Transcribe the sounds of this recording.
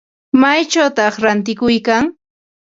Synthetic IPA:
majt͡ʃawt̪ɑχɾant̪ɪkʊjkaŋ

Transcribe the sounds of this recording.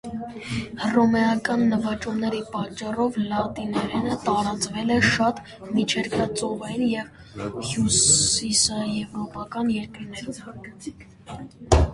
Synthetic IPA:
rɔmɛɑkɑnːəvɑt͡ʃumnɛɾipɑt͡ʃːɑrɔvlɑt̪inɛɾɛnət̪ɑɾɑt͡svɛlɛʃɑt̪ | mit͡ʃʰɛɾkʰɑt͡sɔvɑjinjɛv | hjusisɑjɛvɾɔpɑkɑnjɛɾkiɾnɛɾi

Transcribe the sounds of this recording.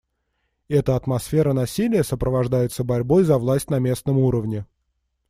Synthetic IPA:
ɛt̪əɐt̪mɐsfʲe̞ɾənɐsʲilʲɪjəsəpɾəvɐʐd̪ajɪt̪səbɐɾʲbo̞jzɐvlˠasʲtʲnɐmʲe̞snəmuɾəvnʲɪ

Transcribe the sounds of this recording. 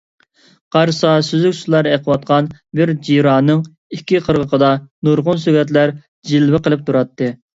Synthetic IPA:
qʰɑɾsɑsyzykʲslˠɑɾeqʰəwɑt̪̚qʰɑnbɪɾd͡ʒiɾɑːnɨŋ | ikʲːiqʰəɾʁəqʰəd̪ɑnuɾʁʊnsøɡʲɛt̪̬læɾ | d͡ʒilvɪqəlˠɨp̚t̪ʰuɾɑt̪ʰːɨ

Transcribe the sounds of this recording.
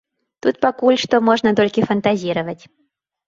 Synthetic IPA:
t̪ut̪̚pakulʲʂt̪ɔmɔʐnɐt̪ɔlʲkʲɪfɐnt̪azʲiɾɐvətʲ

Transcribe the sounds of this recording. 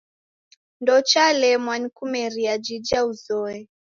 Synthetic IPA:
ndɔt͡ʃalɛmwanikumɛɾiad͡ʒid͡ʒauzɔɛ

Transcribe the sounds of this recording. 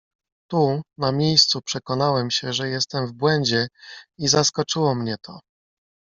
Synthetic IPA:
t̪unamʲjejst̪supʂɛkɔnawɛmɕɛʐɛjɛst̪ɛmvbwɛɲd͡ʑɛizaskɔt͡ʂɘwɔmɲɛt̪ʰɔ̰

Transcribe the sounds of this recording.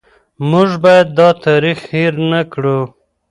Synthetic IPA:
muʒbɑjad̪̚ːɑt̪ɑɾixhiɾnakɽu

